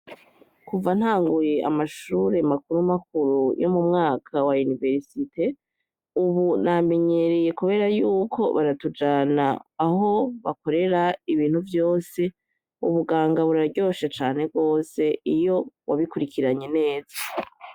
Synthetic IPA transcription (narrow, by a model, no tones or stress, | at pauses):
kuvan̥haːŋɡuje̞a̰maʃuːɾe̞makuɾumak̚uɾujo̞mumŋaːkʰawaunive̞ɾsitʰe̞ | uβuname̞ɲe̞ɾeje̞kuβe̞ːɾajuːkʰo̞βaɾatud͡ʒaːnaːɦo̞βako̞ɾe̞ɾaiβiːn̥huvjo̞ːse̞ | uβuɡaːŋɡaβuɾaɾɟo̞ʃet͡ʃaːn̥e̞b̚ɡo̞ːse̞ijo̞waβikuɾikiɾaɲe̞ne̞ːz̥a